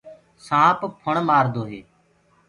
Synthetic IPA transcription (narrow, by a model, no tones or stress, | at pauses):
sãːppʰəɳmaːɾd̪oːɦeː